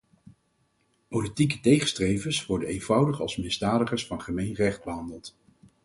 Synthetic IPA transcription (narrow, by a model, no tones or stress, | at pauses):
politikətejχəstrejvənsʋɔɹdənejnvʌwdəχɑ̰lˠsmɪzdaːdəχəɹsfɑnχəmejnrɛχd̚bəɦɑndəlˠt